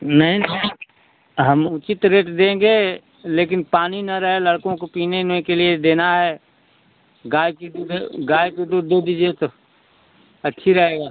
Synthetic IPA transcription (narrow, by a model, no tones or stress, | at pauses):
nɐɦĩnɦi | ɦəmʊt͡ʃɪt̪ɾeːʈd̪ẽːŋɡe | leːkɪnpaːninɐɾəɦelɐɽkõkopiːnenekelied̪eːnaɦɛː | ɡaːjkid̪uːdɡaːjked̪uːɾd̪ed̪iːd͡ʒet̪o | ɐtːʃʰiɾɐɦeːɡaː